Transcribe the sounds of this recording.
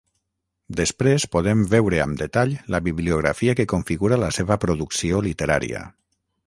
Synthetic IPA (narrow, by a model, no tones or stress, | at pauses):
d̪espɾespoð̞embɛwɾea̰md̪et̪aʎləβiβliuɣɾa̰fiakekoɱfiɣuɾaləseβəpɾoðuksiolit̪eɾaɾḭa̰